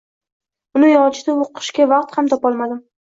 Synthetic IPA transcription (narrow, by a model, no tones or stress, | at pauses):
ʊnɪjɒt͡ʃʰɪd̪aoqʰɨ̥ʃkʲavɑq̚t̪hamt̪ʰɒpɒlˠmad̪ɪm